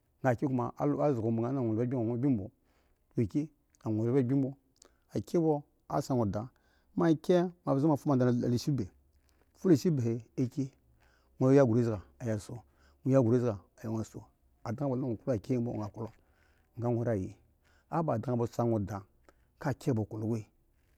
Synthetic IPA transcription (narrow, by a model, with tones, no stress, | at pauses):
ŋɡa˨ki˦ku˦ma˨ʔa˦zɡo˨bo˨ŋa˦na˨ŋʷo˨˦a˦i˦o˨ŋʷo˦bi˦bo˨˦ | o˨ki˦ | a˨ŋʷo˨˦ba˦˨bi˦m˦bo˦ | a˨kʲe˦bo˦ | a̰˦sa˦ŋo˨da˨ | ma˦kʲe˦ma˨bza˦ma˨fu˦ma˨a˨n˨le˨ʃi˦be˨ | fu˦le˨ʃi˦be˨he˨e˦ke˦ | ŋʷo˨˦ja˦ɡu˨ɾe˦za˨a˨ja˨so˦ | ŋo˨˦ja˦ɡu˨ɾe˦zɡa˨a˨ja˨ŋa˨so˨ | a˨da˦ŋa˦bo˨˦a˦ŋo˨ka˨ke˦m˦bo˦˨ŋ˨a˨ku˦lo˦ | ŋ˨a˦ŋʷo˨ɾa˦˨je˨ | a˦ba˨da˨˦ŋ˨bo˨sa˦ŋo˨da˨ | ka˦˨kʲe˦bo˨ku˨lo˨ɡʷe˦˨